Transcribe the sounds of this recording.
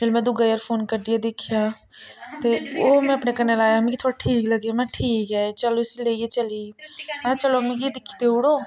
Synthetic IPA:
fɪlmɛ̃d̪ʊɡajəɾpʰoːnkəɾd̪ijad̪ɪkʰija | t̪eomɛ̃ɐpnekɐnelaːjaɦɐmkit̪ʰoːɽaʈʰiːkləɡemɛ̃ʈʰiːkɦɛet͡ʃəloɪsleːiet͡ʃəliemɛ̃t͡ʃəlom̃ed̪ɪkʰi̥t̪eʊɽoː

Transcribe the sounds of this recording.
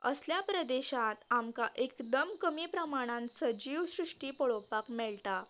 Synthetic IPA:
ə̰sljapɾəd̪eɕat̪amkaʔekd̪əmkəmiːpɾəmaɽ̃ãnsəd͡ʑiʋsɾuʂʈiːpəɭopakmɛɭt̪a

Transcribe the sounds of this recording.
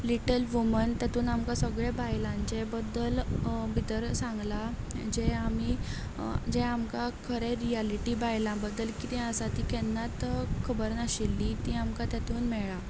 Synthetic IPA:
liʈəlʋumənt̪jat̪uːnamkasəɡɭɛbajlãɲt͡ɕebəd̪ːəlbʱit̪əɾsãŋɡla | d͡ʑeami | d͡ʑɛamkakʰəɾeɾialiʈibajlãbəd̪ːəlkit̪ɛ̃əsat̪iːkɛnːat̪kʰəbəɾnaɕilːit̪ĩːamkat̪jat̪uːnmɛɭa

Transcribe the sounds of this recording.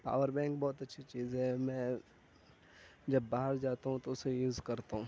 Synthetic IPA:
pa̰ːʋəɾbɛ̃ːŋkbɔːt̪ɐtːʃʰit͡ʃiːzɦɛmɛ̃ː | d͡ʒɐbːaːɦəɾd͡ʒaːt̪aɦũt̪oʊsejuːzkɐɾt̪aɦũ

